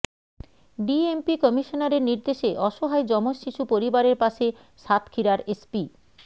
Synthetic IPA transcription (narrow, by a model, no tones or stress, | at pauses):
ɖiempikɔmiʃonaɾeɾniɾd̪eʃeʔɔʃoɦaed͡ʑɔmoʃiʃupoɾibaɾeɾpaʃe | ʃat̪ʰkʰiɾaɾespi